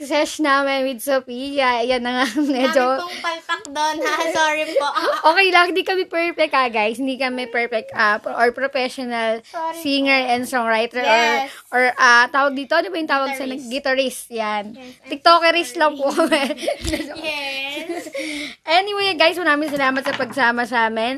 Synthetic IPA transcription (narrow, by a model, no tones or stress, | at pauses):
sɛʃnaːmɛnwɪd̪̚sopijɐjɐnːɐŋamɛd͡ʒopɐlt̪ɐk̚d̪onsoɹipoʔoːkɛjlɐŋhɪnd̪ikɐmɛpɛɹpɛk̚t̪aɡajshɪnd̪iːkɐmɛpɛɹpɛk̚t̪ʔapʔoɹpɾofɛʃɔnɐlsiŋɛɹɛnsɔŋɹajt̪ɛɹʔɛʔoɹʔat̪aːwɐɡd̪iːt̪oʔɐnobɐjʊŋt̪aːwɐɡ̚sɐnɐɡːɪt̪ɐɹɪst̪jant̪ɪk̚t̪oːkoɾislɐŋpukɐmɛmɛd͡ʒoɛ | ʔɛnɪwejɡajswʊɐnaːmɪns̬ɐlaːmɐt̪̚sɐpɐɡ̚saːmɐsaːmɪn